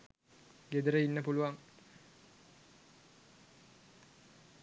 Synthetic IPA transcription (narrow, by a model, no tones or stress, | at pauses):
ɡed̪əɾəinːəpuluʋaŋ